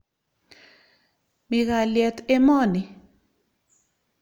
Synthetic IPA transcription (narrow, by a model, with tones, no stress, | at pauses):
mɪ˨ɣa˨ljɛ˨tɛ˦mɔ˦˨ni˨